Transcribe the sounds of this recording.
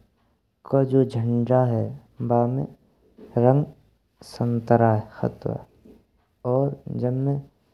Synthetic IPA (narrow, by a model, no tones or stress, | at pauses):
kad͡ʒoːd͡ʒʱə̃ɳɖaɦɛbaːmḛ̃ | ɾə̃ŋɡ | sənt̪əɾaɦɛxə̰t̪wa̰ | ɔːɾd͡ʒənmẽ